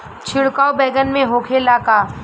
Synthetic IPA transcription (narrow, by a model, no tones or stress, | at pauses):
t͡ʃʰɪɽkaːwbɛːɡənmẽɦoːkʰelaːkaː